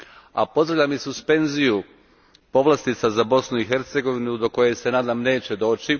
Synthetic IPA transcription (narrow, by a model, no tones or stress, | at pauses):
a̰po̞zd̪ɾaʋʎʲamisuspe̞nziju | po̞ʋlast̪it̪sazabo̞snuixe̞ɾt̪se̞ɡo̞ʋinud̪o̞ko̞jese̞naːd̪amne̞ːt͡ɕe̞d̪o̞ːt͡ʃi